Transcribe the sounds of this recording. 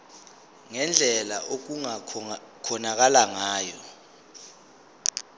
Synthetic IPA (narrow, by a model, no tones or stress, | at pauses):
ŋɛnd͡ɮʱɛlaʔok̬uŋakʰɔnak̬alaŋaːjɔ